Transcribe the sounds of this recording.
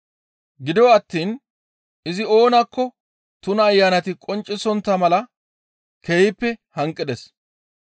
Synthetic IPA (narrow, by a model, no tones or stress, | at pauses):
ɡɪd̪ɪwɔɐt̪ːiːn | ɪzɪo̞ːnɐkːɔ | t̪ʊnɐːjːaːnɐt̪ɪkʼɔnt͡ʃʼːɪsɔnt̪ːɐmɐlɐ | kejɪpːɛhɐŋkʼːɪd̪ɛs